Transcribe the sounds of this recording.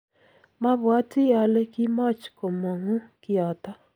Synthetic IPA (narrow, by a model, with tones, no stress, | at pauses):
ma˦βwa˦ti˦ja˨le˦ki˦ma˦t͡ʃko˨ma˨ŋu˦ki˦a˨ta˦